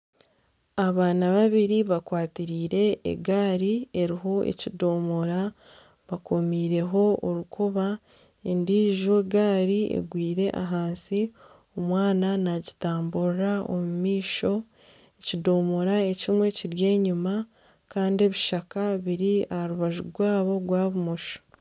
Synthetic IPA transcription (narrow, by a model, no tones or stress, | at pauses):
aβaːnaβaβiɾiβakwaːtiɾiːɾe̞̰ːɡaːɾieɾiɦo̞ḛcido̞ːmoɾa | βako̞miːɾe̞ɦo̞oɾukʰuβa | endiːʒoɡaːɾiḛɡwiːɾe̞ʔa̰ɦaːnsi | omwaːnanaɟitaːmbuɾao̰mumiːʃo̞ | ecido̞ːmo̞ɾae̞cimwe̞ciɾje̞ːɲuma | kaːndie̞βiʃakaβiɾiahaɾuβaʒuɡwaːβo̞ɡwaːβumoʃo̥